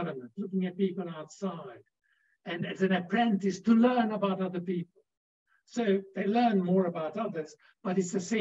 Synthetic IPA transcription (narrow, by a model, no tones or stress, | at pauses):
vənmə̃ntˡlʊkɪ̃ŋɨt̚pipl̩ˠaʊtsaɪd | ɨ̃nɨsɨ̃nɨpʰɹ̥ɛ̃ntɨstʰəlɜ̃˞nəbaʊɾʌðə˞pipl̩ˠ | soʊðeɪlɜ̃˞nmɔɹəbaʊɾʌðə˞z | b̥ʌɾɨtsðɨsẽ